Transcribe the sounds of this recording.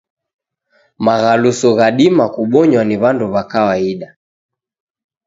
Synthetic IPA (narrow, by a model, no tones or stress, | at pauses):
maɣalusɔɣaɗimakuɓɔɲwaniβanduβakawaiɗa